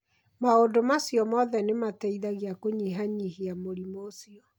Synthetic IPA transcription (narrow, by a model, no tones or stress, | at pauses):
maondomasjɔmɔðɛnematɛiðaɣiakoɲiɦaɲihiamoɾimosiɔ